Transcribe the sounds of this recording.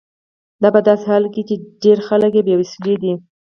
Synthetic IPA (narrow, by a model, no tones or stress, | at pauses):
d̪ɑpəd̪ɑsehɑlket͡ʃeɖeɾxaləkjebjewɪsəled̪i